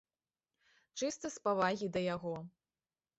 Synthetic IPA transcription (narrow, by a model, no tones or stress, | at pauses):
t͡ʂɨst̪ɐspavaɣʲid̪ɐjaɣɔ